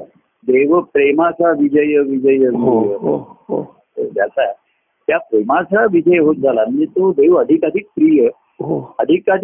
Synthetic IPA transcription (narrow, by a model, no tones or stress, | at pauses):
d̪eʋəpɾemasaʋid͡ʒəjəʋid͡ʒəjəjəɦɦo̰ | t̪əɾd͡ʒjasae | t̪japɾemasaʋid͡ʒəjɦot̪̚d͡zʱalannit̪od̪eʋəd̪ʱikəd̪ʱik̚pɾijə | ɦoəd̪ʱikad̪ʱ